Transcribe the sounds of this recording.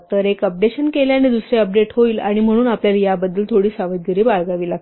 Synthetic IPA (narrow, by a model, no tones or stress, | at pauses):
t̪əɾekəp̚ɖeɕənkeljaned̪usɾeəp̚ɖeʈɦoiːlaɽ̃im̤əɽ̃uːnapljaljabəd̪ːəlt̪ʰoɽiːsaʋəd̪̚ɡəɾiːbaɭɡaʋiːlaɡ